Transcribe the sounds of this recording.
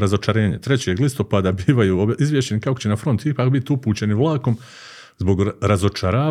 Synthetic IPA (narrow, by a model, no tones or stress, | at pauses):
ɾazo̞t͡ʃaɾe̞ːɲet̪ɾet͡ɕe̞ːɡlist̪opaːd̪abiːʋajuːizʋjeʃt͡ɕe̞nikakot͡ɕenafɾo̞nt̪ipaːkbit̪iupuːt͡ɕe̞niʋlˠaːko̞m | zbo̞ɡɾazo̞t͡ʃaɾaː